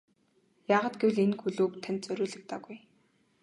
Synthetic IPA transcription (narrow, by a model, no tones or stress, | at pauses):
jaːʁaːt̪ɡewɮenxuɮoːkt̪ʰanʲt̪t͡sœɾʲʊːɮɘ̆k̚t̪aːɣuj